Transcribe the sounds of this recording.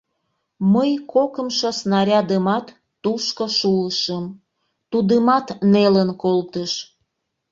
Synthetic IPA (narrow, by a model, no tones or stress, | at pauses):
məjkokəmʃosnɑɾʲɑd̪əmɑt̪ː | uʃkoʃuəʃəm | t̪ud̪əmɑt̪nelənkolt̪əʃ